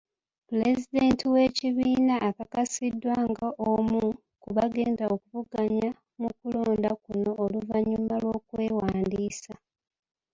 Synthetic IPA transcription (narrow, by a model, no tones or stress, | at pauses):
pule̞zide̞ːntiwe̞ciβiːnaʔːkakasidːwaːŋɡaʔomu | kuβaɡe̞ːndaokuβuɡaɲa | mukulo̞ːndakuno̞ʔːluvaɲumalwo̞ːkwe̞ːwaːndiːsa